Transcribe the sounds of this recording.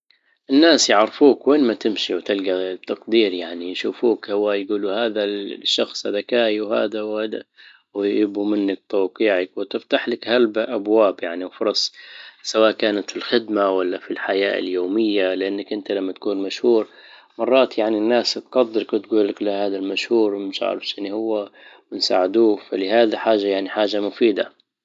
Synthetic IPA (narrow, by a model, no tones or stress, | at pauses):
ʔɪnːaːsjɪʕɾfuːkweːnmat̪ɪmʃiwt̪ɪlɡat̪ɑqd̪iːɾjaʕnijʃuːfuːkhawaːjɡuːluhaːðaʃːɑxsˤhad̪akaːjiwha̰ːd̪awad̪a̰ | wjjɪbumɪnːak̚t̪ˤɑːqiːʕakwɪt̪ɪft̪aħlɪkhalbʔabwaːbjaʕniwfʊɾˤɑsˤsawaːʔkaːnat̪filxɪd̪mawalːafilħajaːʔɪ̰ljoːmɪjːalɪʔanːakʔɪnt̪alamːat̪ḁkuːnmaʃhuːɾ | mɑrˤːɑːt̪jaʕninːaːst̪qɑd̪ːɨɾkt̪ɡuːlːaklahaːd̪almaʃhuːɾmɪʃʔa̰ʕɾɪfʃʔɪnːihʊwːamɪnsa̰ːʕɪd̪uːfalɪhaːd̪aħaːʒːajaʕniħaːʒamʊfiːd̪a̰